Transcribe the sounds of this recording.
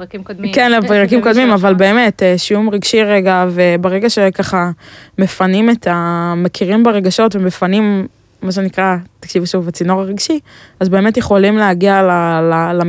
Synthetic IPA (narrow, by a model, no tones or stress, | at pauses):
kenʁakimkod̪mimavalbe̞ːme̞teʃiumʁiɡʃiʁeɡave̞beʁe̞ɡaʃekaχame̞fanimetʰamekʰiʁimbaʁeɡaʃo̞tvemefanimː | aʃ̬enikʁatakʃivʃuvat͡sino̞ʁaʁiɡʃiazbe̞ːme̞tjeχo̞limleɦaɡialalala